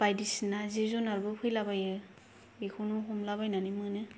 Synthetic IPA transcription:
b̥ajdisinazizunaɾbɯpʰɯjlabajɯ | bekʰunuɦɔmlaβajnanɯmɯnɯ

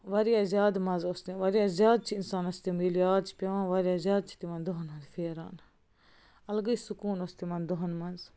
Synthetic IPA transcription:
ʋɐɾijaːzʲjaːd̪mɐnzoːst̪ĩʋɐɾijaːzʲjaːd̪̚t͡ʃʰiinsaːnɐst̪imilijaːd̪̚t͡ʃʰpʲɐʋãːʋɐɾjaːzʲjaːd̪̚t͡ʃʰi̥t̪imɐnd̪oɦɐnɦɐnzfeːɾa̰ːn | ɐlɡəisukuːnost̪imɐnd̪oɦɐnmɐnz

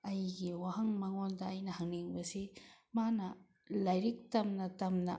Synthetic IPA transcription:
ɐjɡiwaɦɐŋmɐŋondɐːjnɐhɐŋniŋbɐsi | manɐ | lɐjɾik̚tɐmnɐtɐmnɐ̰

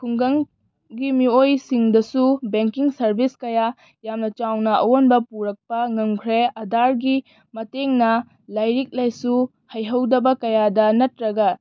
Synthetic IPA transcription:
kʰuŋɡɐŋ | ɡimiojsiŋdɐsubeŋkiŋsɐɾbʱiskɐja | jamnɐt͡ʃawnɐʔɐ̰wonbɐpuɾɐk̚pɐŋɐŋkʰɾeɐdaɾɡi | mɐteŋnɐ | lajɾik̚lajsu | hɐjɦɐwdɐbɐkɐjadɐnɐtɾɐɡɐ

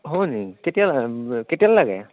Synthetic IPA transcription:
ɦɔniketijalketijalːlaɡɛ̰

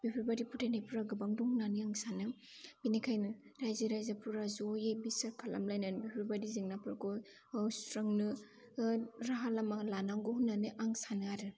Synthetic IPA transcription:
bipʰiɾbadipʰutʰanajpʰuɾaɡɯbaŋdɔŋnaniaŋsanɯ | binikʰajnɯɾajziɾajzapʰuɾazɔjebisaɾkʰala̰mlajnanbipʰiɾbadiziŋnapʰɯɾkɔ | sɾɯŋnɯ | ɾaɦalamalanaŋɡɔhunːanɯʔaŋsanɯaɾɯ

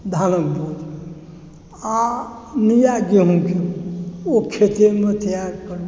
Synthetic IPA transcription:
d̪ʱanəkbod͡ʒ | a | nijaɡeɦũkʰe | okʰet̪enmẽt̪jaɡkəɾ

